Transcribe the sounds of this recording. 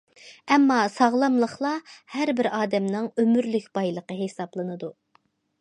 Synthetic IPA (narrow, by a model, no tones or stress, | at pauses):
ɛmːɑsɑʁlˠɑmlˠəχlˠɑhæɾbɪɾɑːd̪ɛmnɨŋømyɾlykʲb̥ɑjlˠəqəɦesɑblˠɨnɨd̪u